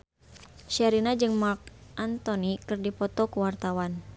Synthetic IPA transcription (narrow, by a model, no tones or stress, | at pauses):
ʃɛɾinad͡ʒɨŋmark̚ʔant̪ɔnikɨrdipɔt̪ɔkuwart̪awan